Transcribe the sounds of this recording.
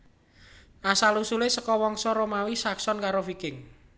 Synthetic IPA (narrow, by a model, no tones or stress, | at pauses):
nasalusulesəkɔwɔŋsɔɾomawisaksɔnkaɾofikɪŋ